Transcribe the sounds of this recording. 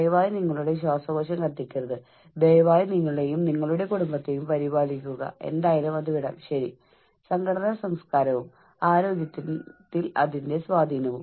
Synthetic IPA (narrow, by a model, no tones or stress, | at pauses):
ejɐʋaːjniŋːɐɭuɽe̞ɕ̬waːsɐɡoɕɐmkɐt̪ːikʲːurɐðɨ | b̪ejɐʋaːjiniŋːɐɭe̞jumniŋːɐɭuɽe̞kuɽumbɐt̪ːe̞jumpɐɾibaːlik̬ʲːuɣɐ̰e̞̰nd̪aːjɐlumɐðuʋiɽɐ̰mɕɐɾi | sɐŋɡʰʱɐɽɐnɐsɐmskaːɾɐʋum | aːɾo̞ːɡjɐt̪ːit̪ːilɐ̰ðinde̞sʋaːd̪ʱiːnɐʋum